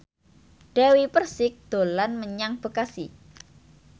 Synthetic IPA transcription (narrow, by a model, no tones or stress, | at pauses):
ɖ̥awipərsɪk̚d̪̥o̤lanməɲaŋb̥ə̤kasḭ